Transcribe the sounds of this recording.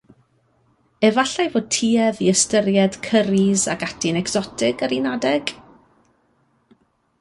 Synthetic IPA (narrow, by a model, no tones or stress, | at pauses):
ɛvaɬajvoːd̚tʰiːɛðiəstəɾjɛd̥kʰəɾizaɡatʰinɛkz̥ɔtʰɪɡəɾinadɛɡ̥